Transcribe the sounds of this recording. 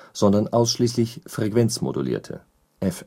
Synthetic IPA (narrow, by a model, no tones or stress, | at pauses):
z̥ɔndɐnʔaʊsʃliːslɪçfʁ̥ekv̥ɛnt͡smo̰dṵlḭːɐtʰə̰ | ʔɛf